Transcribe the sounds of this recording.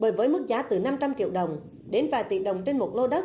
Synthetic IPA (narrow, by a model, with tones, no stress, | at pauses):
ɓəː˨˦jvəː˨˦jmɨ˦˥k̚zaː˨˦t̪ɨ˨˩na˧mt͡ɕa˧mt͡ɕḭ˧˨əwɗə˨˩wŋ͡m | ɗe˨˦nvaː˨˩t̪ḭ˧˨ɗə˨˩wŋ͡mt͡ɕe˧nmo˨˩t̚lo˧ɗə˦˥t̚